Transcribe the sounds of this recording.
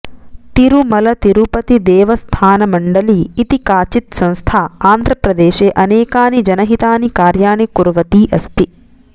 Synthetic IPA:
t̪iɾumɐlɐt̪iɾupɐt̪id̪ɛːʋɐst̪ʰaːnɐmɐɳɖɐliːt̪ikaːt͡ʃit̪sɐ̃nst̪ʰaːaːnd̪ʱɾɐpɾɐd̪eːʃeːʔɐneːkaːnid͡ʒɐnɐɦit̪aːnikaːɾjaːɳikuɾʋɐt̪iːʔɐst̪i

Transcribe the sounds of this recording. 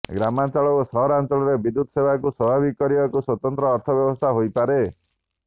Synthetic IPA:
ɡɾamant͡ʃɔɭɔosɔɦɔɾant͡ʃɔɭɔɾebid̪ud̪ɔsebʱakuswɔbʱabikɔɾiakuswɔt̪ɔnt̪ɾɔːɾt̪ʰɔbjɔbɔst̪ʰaɦojpaɾe

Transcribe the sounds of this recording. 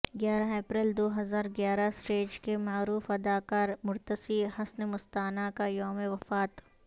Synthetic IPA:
ɡjaːɾaeːpɾeld̪oːɦɐzaːɾɡjaːɾasʈeːd͡ʒkemaːɾuːfɐd̪aːkaːɾmʊɾt̪əsihɐsnemʊst̪aːnakajɔːmeʋɐfaːt̪

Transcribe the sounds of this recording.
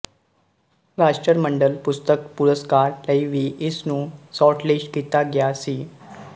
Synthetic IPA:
ɾasʈɾəɾməɳɖəlpust̪əkpuɾəskaɾləjʋiːʔesnũːsɔʈleʂʈkit̪aɡjasi

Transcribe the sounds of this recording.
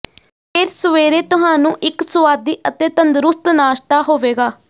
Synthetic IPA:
pʰeːɾsəʋeːɾeːt̪ʊɦaːnũːʔɪksʊʋaːd̪iːʔət̪eːt̪ənd̪ɾʊst̪naːʃt̪aːɦoːʋeːɡaː

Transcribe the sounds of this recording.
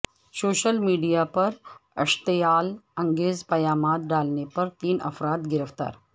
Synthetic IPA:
soɕəlmiːɖijapəɾə̰ʂt̪əjaːləŋɡeːzpɐjamat̪̚ɖalnepəɾt̪iːnə̰fɾat̪ɡiɾəʋt̪a̰ːɾ

